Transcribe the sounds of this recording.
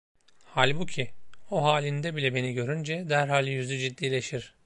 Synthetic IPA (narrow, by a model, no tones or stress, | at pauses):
halʲbucʰioɦaːlʲind̪ɛbilʲɛbe̞niɟø̞ɾynd͡ʒɛd̪æɾɦaːlʲjyzyd͡ʒid̪ːiːlʲe̞ʃiɾ̥